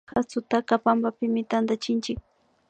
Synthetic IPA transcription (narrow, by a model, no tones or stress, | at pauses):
xat͡sʊt̪akapambapɪmɪt̪and̪at͡ʃɪnt͡ʃɪk̚